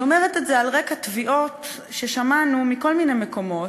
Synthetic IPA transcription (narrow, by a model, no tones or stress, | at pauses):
omeʁet̪etzealʁekat̪viʔo̞t | ʃeʃamanumiko̞lmine̞jmeko̞mo̞